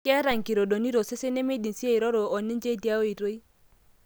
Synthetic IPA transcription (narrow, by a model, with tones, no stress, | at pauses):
kɛ˦ɾa˨ŋ˨ki˨ɾo˨do˨ni˦ɾo˨sɪ˦se˦ne˦me˦di˨nsi˦e˦˨i˨ɾɔ˦ɾo˨ɔ˨nɪ˦nd͡ʒe˦di˦a˦o˦i˨ɾo˦i˦